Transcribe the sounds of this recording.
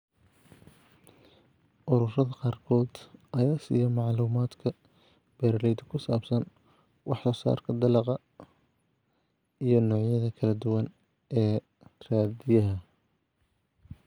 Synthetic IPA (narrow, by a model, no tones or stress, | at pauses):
ʔʊɾʊrɐðɐqɑːrkʰɔːd̪̥ʔɐjaːsḭːjɐmɑʕluːmaːd̪kʰɐ | b̥ɛɾlɛjd̪ɐkʰʊsaːbsɐn | wɑħsɔːsa̰ːrkʰɐd̪ɐlɑqɑ | ijɞnɔːʕjɐðɐkʰɐlɐd̪ʊwɐn | ɛː | raːd̪ɪjɐɦɐ